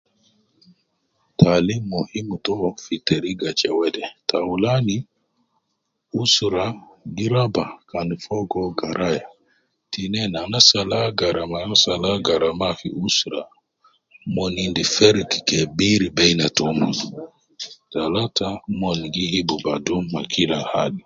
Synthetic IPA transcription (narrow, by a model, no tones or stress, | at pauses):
tʰalimːɔhimutɔfiteɾiɡat͡ʃɛwɛdɛtʰawulani | usɾaɡiɾabakanfɔɡɔɡaɾʔaja | tinɛnanasalaɡaɾamanasalaɡaɾamafḭʔusɾa | mɔnindifɛɾki̥kɛbiɾibɛjnatɔma | talatamɔnɡihibubadumːa̰kilaha̰li